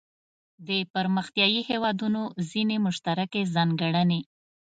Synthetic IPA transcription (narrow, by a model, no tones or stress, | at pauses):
d̪əpəɾməxt̪jɑjihewɑd̪unozinemʊʃt̪aɾakezɑŋɡaɽane